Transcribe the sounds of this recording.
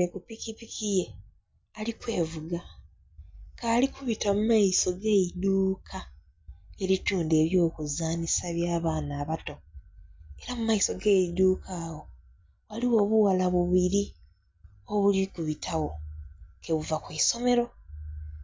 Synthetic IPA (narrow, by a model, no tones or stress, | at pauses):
ekupikipikije̞ | alikwe̞ːvuɡa | kaːlikuβitamumaiso̞ɡe̞ːiduːkʰa | e̞ɾituːnde̞βjo̞ːkuzaːnisaβjaːβaːnaːβato̞ | e̞ɾamumaiso̞ɡeiduːkʰaːwo̞ | waliwo̞ːβuwalaβuβiɾi | o̞βulikuβitʰawo̞keɣuvakweːso̞me̞ɾo̞